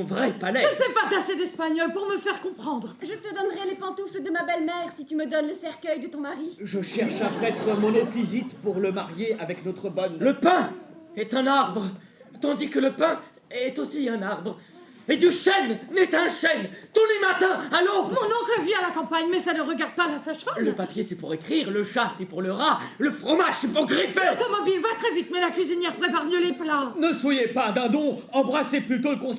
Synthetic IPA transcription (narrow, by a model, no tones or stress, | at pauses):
ɔ̃vʁɛpalɛʒənsɛpak̪asɛt̪ɛspaɲɔlpuʁməfɛʁkɔ̃pχɑ̃d̪ʁʒət̪əd̪ɔnʁɛlepɑ̃t̪ufld̪əmabɛlmɛʁsit̪yməd̪ɔnləsɛʁkʲœjd̪ət̪ɔ̃maʁiʒəʃɛʁʃapχɛt̪χəmɔnɔ̃fizit̪puʁləmaʁjeavɛknɔt̪χəbɔnləpɛ̃ɛt̪ɛ̃naʁbʁə | t̪ɑ̃d̪ikələpɛ̃ | ɛt̪osiɛ̃naʁbʁ | ed̪yʃɛnːɛt̪ɛ̃ʃɛnt̪ulemat̪ɛ̃alɔ̃mɔ̃nɔ̃kləvialakɑ̃paɲmɛsanəʁəɡaʁd̪̚palasaʃɔləpapjesɛpuʁekχiʁləʃasɛpuʁləʁaləfχɔmaʒsɛpuʁɡʁifɛt̪ɔmɔbilvat̪χɛvit̪mɛlakɥizinjɛʁpχepaʁmjøleplãnəswajepad̪ɛ̃d̪ɔ̃ɑ̃bʁaseplyt̪oləkɔ̃s